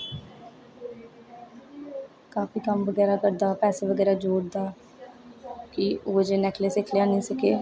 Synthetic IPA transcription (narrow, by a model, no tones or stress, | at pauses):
kaːfiːkəmʋəɡɛːɾaːkəɾd̪aːpɛːseːʋəɡɛːɾaːd͡ʒoːɽd̪aː | kiʊʋəd͡ʒeːnɛkleːsɪkʰljãːnĩːsəkeː